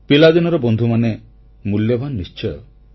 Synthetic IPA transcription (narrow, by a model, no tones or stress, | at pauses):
pilad̪inɔɾɔbɔnd̪ʱumane | muljɔbʱanːist͡ʃɔjɔ